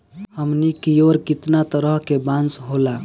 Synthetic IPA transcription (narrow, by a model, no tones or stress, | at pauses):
həmnikijoɾkit̪nat̪əɾəɦkebãnsɦola